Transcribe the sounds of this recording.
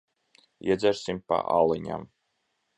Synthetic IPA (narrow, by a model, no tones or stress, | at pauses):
iɛd̪zʲæɾsʲimpa̰ʔalˠɨɲʲa̰m